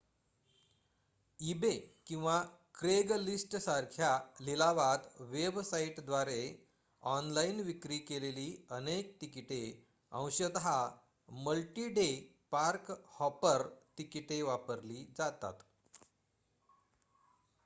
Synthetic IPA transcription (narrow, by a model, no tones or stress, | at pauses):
ibekĩw̃ʋa | kɾeɡlisʈsaɾkʰjalilaʋat̪ʋebsaiʈd̪ʋaɾe | ɔnlainʋikɾiːkeleliːənek̚t̪ikiʈe | ə̰̃w̃ɕəd̪ɦa | məlʈiːɖe | paɾkhɔpəɾʈ̪ikiʈeʋapəɾliːd͡zat̪a̰t̪